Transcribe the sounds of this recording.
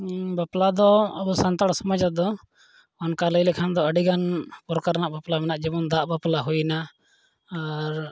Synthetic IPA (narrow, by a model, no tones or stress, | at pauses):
baplad̪ɔəbusant̪aɽsɔmad͡ʒad̪ɔ | ɔnkaləjlɛkʰand̪ɔəɖiɡanpɔɾkaɾnaʔbaplamɛnaʔd͡ʒibɔnd̪aʔbaplaɦujnaː | ɾ